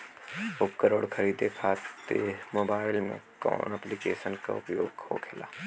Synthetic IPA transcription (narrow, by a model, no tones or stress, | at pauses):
ʊpkəɾoːɽkʰɐɾiːd̪ekʰaːt̪emoːbaːɪlmḛ̃kɔ̰ːnɛplikeːʃənka̰ʊpjoːɡho̰kʰela̰ː